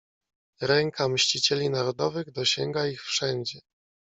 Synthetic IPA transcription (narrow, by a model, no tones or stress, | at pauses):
ɾɛŋkʰamɕt͡ɕit͡ɕɛlʲinaɾɔd̪ɔvɘɣd̪ɔɕɛŋɡaixfʂɛɲd͡ʑɛ